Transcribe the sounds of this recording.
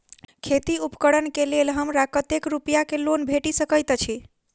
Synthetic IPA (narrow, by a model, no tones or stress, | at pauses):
kʰet̪iupə̥kəɽənkelelɦəmɾakət̪ekɾupjakelonbʱeʈisəkəjt̪t͡ʃʰi